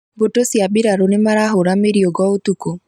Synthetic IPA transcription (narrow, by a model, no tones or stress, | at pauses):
botosjabɪɾaɾonemaɾaɦoɾameɾioɡɔot̪uko